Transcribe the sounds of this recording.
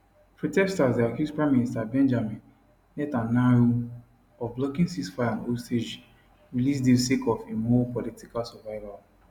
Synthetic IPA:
pɹotɛkstasdeakuspɹaministabɛ̃nd͡ʒamĩn | lɛtanao | ɔvblɔkĩnsisfaãnosted͡ʒ | ɹilis̬dẽsekɔfemɔpɔlitikalsɔvaɪval

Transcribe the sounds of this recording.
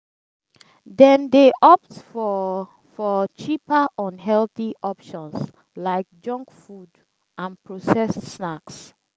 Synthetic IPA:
dɛ̃ndeʔɔp̚tfɔ | fɔt͡ʃipaʔɔ̃nɦɛlθiʔɔpʃɔ̃ns | laɪk̚d͡ʒɔ̃ŋkfud | ʔãnpʰɹosɛstsnaks

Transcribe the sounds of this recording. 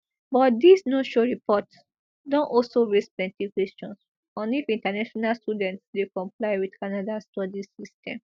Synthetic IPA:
bɔt̚disnoʃɔɹipʰɔt | dɔ̃nʔɔlsoɹesplɛ̃ntikwɛst͡ʃɔ̃ns | ɔ̃nifĩntanaʃɔnalstudɛ̃ntsdekɔ̃mplaɪwidkanadastɔdisistɛ̃m

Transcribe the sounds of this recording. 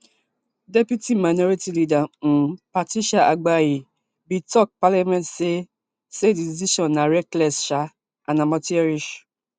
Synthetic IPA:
depjutimanɔɾitilidan̩patiʃaʔaɡ͡baji | bitɔk̚palamɛ̃ntse | sediziʃɔ̃nːãɾɛklɛsʃa | anãmɔ̃tiɛɾiʃ

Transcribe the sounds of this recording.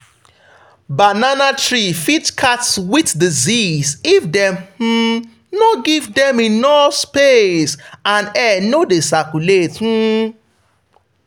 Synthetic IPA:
bananatɹifitkʰatswitdizisifdɛ̃mhm̩ | noɡivdɛ̃minɔspesãnɛnodesakuleth̩

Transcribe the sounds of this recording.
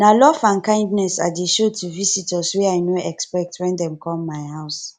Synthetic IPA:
nalɔvãnkãɪ̃ndnɛsadeʃotʰuvisitʰɔswɛaɪnoɛkspɛk̚tʰwɛ̃ndɛ̃mkʰɔ̃mːaɪhaʊs

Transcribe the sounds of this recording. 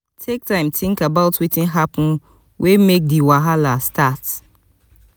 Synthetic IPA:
tʰek̚tãɪ̃mtʰĩŋkabaʊtwitĩnɦapʊ̃n | wʔemek̚diwaɦalastat

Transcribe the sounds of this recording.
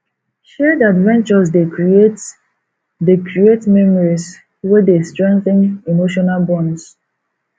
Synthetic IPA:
ʃɛdadvɛ̃nt͡ʃɔs̬deet | dekɹietmɛmɔɹis | wɛdestɹɛ̃ŋkθɪ̃nemoʃɔnalbɔ̃ns

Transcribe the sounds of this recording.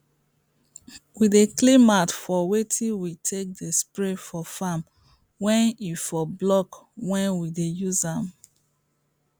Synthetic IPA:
wideklimatfɔwetʰĩwitʰek̚despɹefɔfam | wɛ̃nifɔblɔkwɛ̃nwidejuzãm

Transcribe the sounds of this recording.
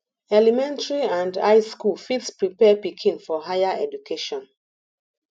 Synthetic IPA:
ɛlimɛ̃ntaɹiãnda̰ɪskulfitspɹipɛpikʰĩnfɔɦajaɛdukʰeʃɔ̃n

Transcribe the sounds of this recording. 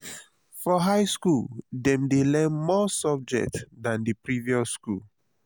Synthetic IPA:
fɔɦaɪskuldɛ̃mdelɛ̃nmɔsɔb̚d͡ʒɛ̰k̚tdãndipɹiviɔsːkṵl

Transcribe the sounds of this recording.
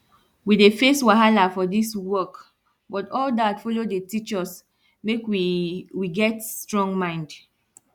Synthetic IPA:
widefeswaɦalafɔdiswɔk | bɔtɔldatfɔlodetit͡ʃɔs | mekwiwiɡɛtstɹɔ̃ŋmãɪ̃nd

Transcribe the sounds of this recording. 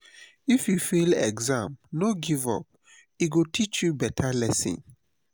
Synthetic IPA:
ifjufilɛ̰ɡzãmnoɡivɔ̰p̚ | iɡotʰit͡ʃjubɛtʰalɛsḭ̃n

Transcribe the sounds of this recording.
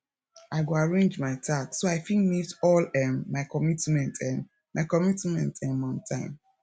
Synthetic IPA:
aɪɡoaɹẽnd͡ʒmaɪtʰaksoaɪfĩŋknidɔlɛːaɪkɔmitmɛ̃ntʰɛ̃n | maɪkɔmitmɛ̃ntʰɛ̃nmãtʰãɪ̃m

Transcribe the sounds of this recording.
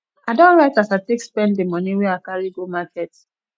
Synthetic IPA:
aɪdɔ̃nɹaɪtasaɪtekspɛ̃nddemʌniwɛakaɹiɡomakʰɛt

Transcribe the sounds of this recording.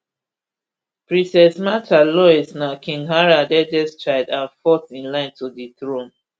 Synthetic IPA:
pɹĩsɛsmatʰalɔɛsnakʰĩŋɡɦaɹadɛdɛstɹaɪdãnfɔtĩnlãɪ̃ntʰudiθɹõn

